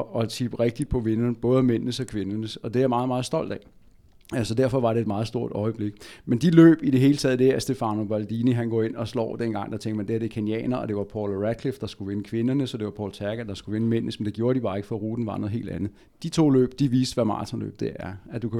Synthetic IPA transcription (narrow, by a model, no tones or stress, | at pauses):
ɒ̽t͡sʰib̥ʁɛɡ̥̚d̥id̥̚pʰɒ̽ʋe̝nɐnəb̥ɔ̽ːð̞ˠmen̰nəsɒ̽kʰʋe̝nɐnəsɒ̽d̥e̝æɐmɑ̈ːð̩ˠmɑ̈ːð̞̩ˠsd̥ɒ̽l̰d̥ɛ | sɒ̽d̥æɐ̰fɒ̽ʋɑ̈ɾe̝ed̥mɑ̈ːð̞̩ˠsd̥o̝ɐ̰d̥ɒ̽ɪəb̥le̝ɡ̥mend̥ilø̰ːb̥id̥e̝ɦe̝ːlət͡sʰɛːðˠd̥eæɐsd̥e̝fɑ̈no̝b̥æld̥iːniɦænɡ̥ɒ̰ːe̝n̰ɒ̽slɒ̰ːd̥en̰ɡ̥ɑ̈ŋ̰d̥ɑ̈t͡sʰeŋɡ̥mænd̥e̝æɐd̥e̝kʰeniɛ̰ːnɐɒ̽d̥e̝ʋɑ̈pʰɒːlʁæd̥̚kʰlifd̥ɑ̈sɡ̥uʋe̝nəkʰʋe̝nɐnəsɒd̥e̝ʋɑ̈pʰɒ̰ːlt͡sʰæɐɡ̥æd̥ɑ̈sɡ̥uʋe̝nəmen̰nəsmend̥e̝ɡjo̝ːɐɾ̥ib̥ɑ̈ːe̝ɡ̥fɒʁuːd̥n̩ʋɑ̈ːnoðˠɦe̝̰ld̥ænð̩ˠ | d̥it͡sʰo̝̰ːlø̰ːb̥̚d̥iʋiːsd̥ʋæmɑ̰̈ːt͡sʰɒnlø̰ːb̥̚d̥e̝æɐæd̥ukʰæ